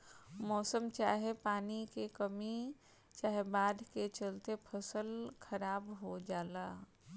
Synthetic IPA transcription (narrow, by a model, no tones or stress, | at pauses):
mɔːsəmt͡ʃaːɦepaːnikekəmi | t͡ʃaːɦebaːd̪ʱket͡ʃəlt̪epʰəsəlkʰəɾaːbɦod͡ʒaːlaː